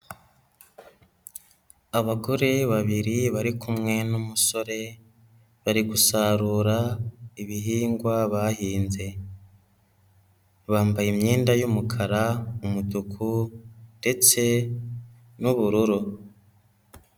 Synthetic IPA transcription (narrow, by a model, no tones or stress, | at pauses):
aβaɡoɾeβaβiɾiβaɾikʰumŋe̞numuso̞ɾe̞ | βaɾiɡusaɾuːɾaiβiɦiːŋɡwaβahiːnze̞ | βaːmbajimɲiːndajumukʰaɾaumudukʰunde̞t͡se̞ | nuβuɾuɾu